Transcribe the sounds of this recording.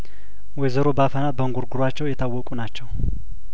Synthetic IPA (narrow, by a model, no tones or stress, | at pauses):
wɔjzəɾo̞bəafənat̪̚bəŋɡuɾɡʊɾwat͡ʃːɛwjɛt̪ʰawːɔkʼunat͡ʃːɛw